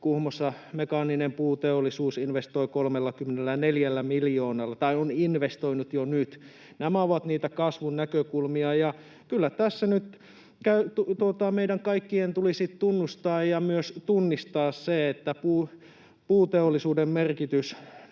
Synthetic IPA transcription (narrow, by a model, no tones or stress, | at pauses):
kuhmosːɑ | mekɑːninempuːt̪eolːˑisuːsinʋest̪oikolmelːɑkymːenelːæneljælːæmiljoːnɑlːɑt̪ɑioninʋest̪oinut̪jonyt̪ | næmæoʋɑt̪niːt̪ækɑsʋunnækøkulmiɑjɑ | kylːæt̪æsːænyt̪ | kæyt̪ut̪uot̪ɑmeidæŋkɑikːient̪ulisit̪t̪unːust̪ɑːjjɑmyøst̪unːist̪ɑːsseet̪ːæpuː | puːt̪eolːisuːdemmerkit̪ys